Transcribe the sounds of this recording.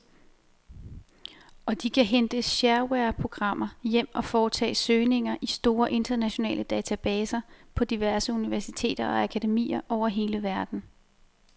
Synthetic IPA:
ɒ̽d̥ikʰæɦend̥əɕæɐweɐpʰʁo̝ɡ̥ʁɑ̈m̰ɐjem̰ɒ̽fɒːt͡sʰɛ̰ːsøːne̝ŋɐʔisd̥o̝ːɐʔe̝nd̥ɐnæɕo̝nɛ̰ːlʔəd̥ɛːt͡sʰæb̥ɛːsɐpʰɒ̽d̥iʋæɐsəuniʋæɐsit͡sʰe̝̰ːd̥ɐɒ̽ækʰæd̥e̝mḭːɐʔɒʊ̰ɐɦe̝ːləʋæɐd̥n̩

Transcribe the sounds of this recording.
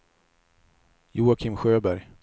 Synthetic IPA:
juːakʰɪmɧøːbæɾj

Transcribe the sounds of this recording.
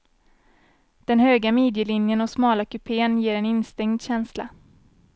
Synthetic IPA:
d̪̥ɛnhøːɡameːd̪jəlɪnjənɔsmɑːlakɵpʰeːənjeːɾɛnɪnst̪ɛŋd̪ɕɛnsla̰

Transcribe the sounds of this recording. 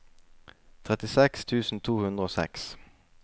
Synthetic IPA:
t̪ʰʁɛt̪ɪsɛkst̪ʰʉːsn̩t̪ʰuːhʉnd̪ʁəoːsɛ̰ks

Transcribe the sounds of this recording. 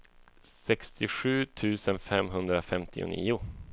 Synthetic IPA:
sɛkst̪ʰɪɧʉ̟ːt̪ʰʉ̟ːsənfɛmɦɵnd̪ɾafɛmt̪ʰɪ̰ʊ̰nḭːʊ

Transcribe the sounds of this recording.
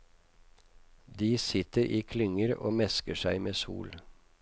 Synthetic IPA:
d̪iːsɪt̪əɾʔiːkʰlʏŋəɾo̰ːmɛskəʃæɪmeːsṵːl

